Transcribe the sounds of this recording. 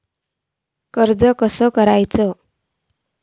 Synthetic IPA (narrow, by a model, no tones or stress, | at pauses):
kəɾd͡zəkəsəkəɾajt͡sə